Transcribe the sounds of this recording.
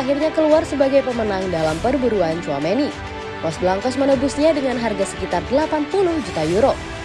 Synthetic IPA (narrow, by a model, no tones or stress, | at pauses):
aɦirɲakəluarsəbaɡajpəmənaŋdalampərbuɾuant͡ʃuameni | mɔsbəlaŋkɔsmənəbusɲadəŋanɦarɡasə̥kit̪ardəlapanpulʊhd͡ʒut̪ajuɾo